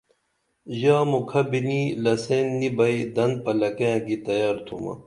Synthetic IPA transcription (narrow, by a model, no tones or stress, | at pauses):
ʑaːmukʰɐbinilɐseːnːibɐjd̪ɐnd̪̚pɐlɐkeãːkit̪ɐjaːɾt̪ʰumɐ̰